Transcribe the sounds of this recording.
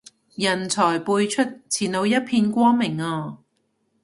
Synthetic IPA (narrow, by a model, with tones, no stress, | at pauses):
jɐ˨˩nt͡sʰɔː˨˩jpuː˧jt͡ʃʰɵ˥t̚t͡sʰiː˨˩no˨˧wjɐ˥t̚pʰiː˧nkʷɔː˥ŋmɪ˨˩ŋɔː˧